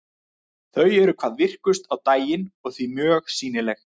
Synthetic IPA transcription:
θœɥɛɾʏkʰvaːðvɪr̥kʏst̪awt̪aːjɪnɔɣθvimjœːxsiːnɪlɛx

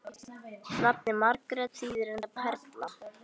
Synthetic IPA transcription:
snap̚nɪmaɾkɾat̪ʰiːðɪɾɛnt̪apʰɛɾt̪la

